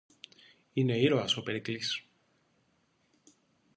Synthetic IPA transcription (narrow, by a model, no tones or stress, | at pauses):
ine̞iɾoɐsopeɾiklis